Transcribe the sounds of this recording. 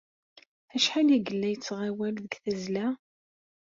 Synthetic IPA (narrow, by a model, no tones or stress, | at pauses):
æʃħaliɡəlːæjət͡sːʁawælðəɡθæzlæ